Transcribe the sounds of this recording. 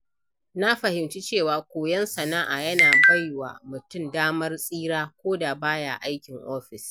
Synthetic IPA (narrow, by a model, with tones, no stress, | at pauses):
na˦ɸɐ˨hɪ˨mt͡ʃi˦t͡ʃeː˦˨waː˨kʷoː˨jɐ˦nsɐ˨naː˦ʔa̰˨jɐ˦naː˨ba˦˨jwa̰ː˨mʊ˨tʊ˦˨mdaː˦mɐ˦rsʼiː˦ɾaː˦kʷoː˦da˨baː˦ja̰˨ʔa˦jkʲɪ˨ŋʔoː˦ɸɪ˨s